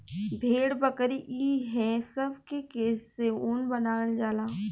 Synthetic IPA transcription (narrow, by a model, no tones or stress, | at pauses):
bʱeːɽbəkɾiʔiːɦɛ̃sɐbʱkekeːsseuːnbɐnaːəld͡ʒaːlaː